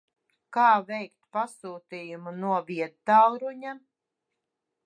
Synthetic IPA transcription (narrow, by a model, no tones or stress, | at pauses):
kaːvɛjk̚t̪pasuːt̪ijumunuɔviɛd̪t̪awɾuɲa